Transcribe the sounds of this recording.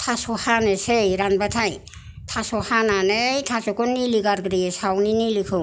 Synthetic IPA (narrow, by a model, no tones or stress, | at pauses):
tʰasɔhanesejɾanbatʰaj | tʰasɔhananejtʰasɔkunːiliɡaɾɡɾisawninilikʰɯ